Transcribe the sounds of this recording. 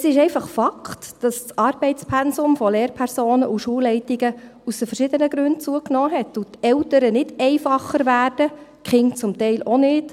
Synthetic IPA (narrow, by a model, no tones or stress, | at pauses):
əsɪʃɛɪfɑχfɑkχtd̥ɑst͡sɑɾbɛɪtt͡spʰɛnsʊmfɔleːɾpʰæɾsoːnəʔuʃuəlːɛɪtiɡəusəfəɾʃɪdənəɡɾʉntt͡suəknɔːɦɛtːutɛltəɾənɪd̥ɛɪfɑχːəɾʋæːrd̥əkχɪŋt͡sʊmtɛɪlʔonɪd